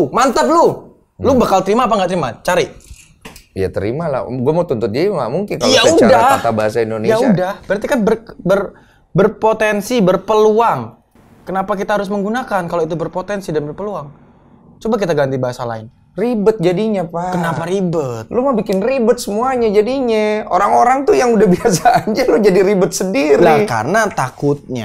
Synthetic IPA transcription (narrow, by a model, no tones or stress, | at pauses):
mant̪əp̚lu | lubakalt̪əɾimaːpaŋɡaʔt̪əɾimat͡ʃaɾiʔ | ja̰t̪əɾḭmala̰ɡuamaut̪unt̪ʊt̪̚d͡ʒaŋɡa̰ʔmuŋkɪnkaljaudakat̪abaɦasaindonejaudahbəɾart̪ikanbərbər | bərpot̪ɛnsibərpəluaŋ | kənapakit̪aɦaɾʊs̬məŋɡunakankaloit̪̬ubərpot̪ɛnsidanbərpəluaŋ | t͡ʃobak̬it̪aɡant̪ibaɦasala̰ɪn | ribʊt̪̚d͡ʒadiɲapakənapaɾibət̪̚lomabikɪnribʊt̪̚səmuaɲad͡ʒadiɲao̰ɾaŋoɾaŋt̪ujaŋudahbiasaːɲd͡ʒalod͡ʒadiɾibət̪̚səndiɾlika̰rənat̪akʊt̪̚ɲa̰